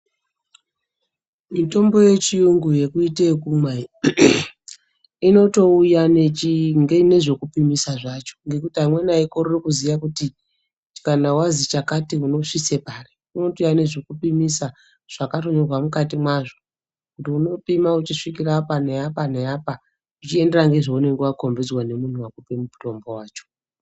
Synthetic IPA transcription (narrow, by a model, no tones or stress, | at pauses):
mito̞mbo̞je̞t͡ʃijuŋɡuje̞kuitekumai | ino̞to̞ujane̞t͡ʃiŋɡene̞ʐe̞kupimisaʐat͡ʃo̥ŋɡe̞kutiɦamwe̞naikororikuzijakuti | kanawazit͡ʃakatiuno̞ʂisepaːre | uno̞tojane̞ʐekupimisa | ʐ̥akato̞ɲo̞rwamukatimwaʐo | kutiuno̞pimaut͡ʃiʂikirapaneapaneaːpa | ut͡ʃie̞nde̞raŋɡe̞ʐoune̞ŋɡewako̞mbid͡zwane̞mun̤uwakupe̞muto̞mbo̞waːt͡ʃo̥